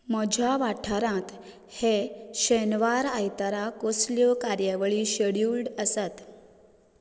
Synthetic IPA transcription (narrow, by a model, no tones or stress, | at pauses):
məd͡ʑʱjaʋaʈʰaɾãt̪ | heɕenʋaɾajt̪aɾakosljɔkaɾjəʋɭiːɕeɽjuɽəsat̪